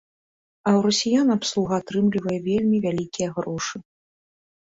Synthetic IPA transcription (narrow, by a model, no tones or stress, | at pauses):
ɐwɾɐsʲijanapslˠuɣɐːt̪ɾɨmlʲivɐjɛvʲelʲmʲivʲalʲikʲijɐɣɾɔʂɨ